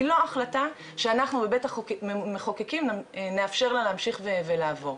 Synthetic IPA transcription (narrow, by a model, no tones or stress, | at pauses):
lo̞aχlata | ʃeanaχnubebetaχmeχokekimnneafʃe̞ʁlaleamʃiχvevelaːvo̞ʁ